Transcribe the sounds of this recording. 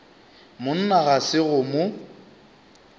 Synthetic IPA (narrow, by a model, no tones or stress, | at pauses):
mʊn̩naɣasɪɣʊmʊ